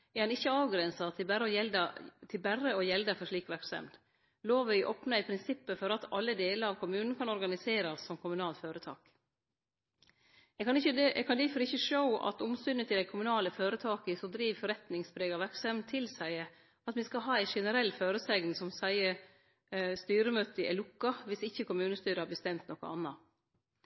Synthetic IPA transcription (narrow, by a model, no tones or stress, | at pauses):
ɑnɪçːəɑːʋɡɾɛnsɑt̪ʰɪbæɾəɔjɛld̪ɑt̪ʰɪlbærəɔjɛld̪əfɔʂɭiːkʋæɾksɛ̰md̪ | loːʋæɪʔoːpnəæɪpʰɾɪnsɪpːəfɔɾɑt̪ʰɑ̰lːəd̪eːləɾɑʋkʰʊmʉːnn̩kʰɑnɔɾɡɑnɪseːɾɑsːɔmkʰʊmʉnɑːlt̪føːɾət̪ʰɑ̰ːk | ɛɡkʰɑnɪçəɛkʰɑnd̪ifɔɾɪçəʂoʊɑ̰t̪ʊmsʏnət̪ʰɪld̪æɪkʰʊmʉnɑːləføːɾət̪ʰɑːkəsɔd̪ɾiːʋfɔɾɛt̪nɪŋspʰɾeːɡɑʋæɾksɛmt̪ʰɪlsæɪə | ɑt̪ʋɪskɑɦɑːæɪʂɛnəɾɛlːføːɾəsɛŋnsɔmsæɪə | st̪yːɾəmøːt̪əʔɛ̰lʊkːɑʋɪsɪçːəkʊmʉːnəst̪yːɾəhɑɾbəst̪ɛmt̪nɔkə̰ɑ̰nːɑ